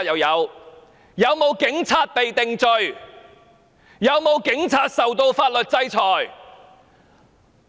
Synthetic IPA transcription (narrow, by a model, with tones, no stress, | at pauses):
jɐ˨˧wjɐ˨˧w | jɐ˨˧wmo˨˧wkɪ˨˥ŋt͡sʰaː˧t̚pe˨jt̪ɪ˨ŋt͡sɵ˧ɥ | jɐ˨˧wmo˨˧wkɪ˨˥ŋt͡sʰaː˧t̚sɐ˨wt̪o˧wfaː˧t̚lɵ˨t̚t͡sɐ˥jt͡sʰɔː˨j